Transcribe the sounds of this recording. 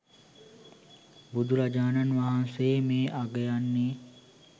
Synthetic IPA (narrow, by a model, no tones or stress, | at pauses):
bud̪ʱuɾad͡ʒaːnanʋaɦanseːmeːʔaɡɐjanːeː